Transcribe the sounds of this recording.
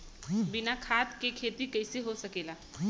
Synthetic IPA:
binakʰat̪kekʰet̪iːkəjsiɦosəkela

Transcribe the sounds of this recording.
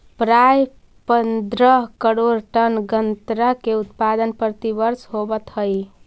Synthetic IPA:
pɾaj | pənd̪ɾəɦkəɾoɾʈənɡənt̪ɾəkeut̪pad̪ənpɾət̪ibəɾsɦobət̪ɦəj

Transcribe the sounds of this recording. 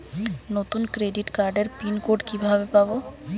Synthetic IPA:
not̪unkɾeɖiʈkaɾɖeɾpinkoɖkibʱabepabo

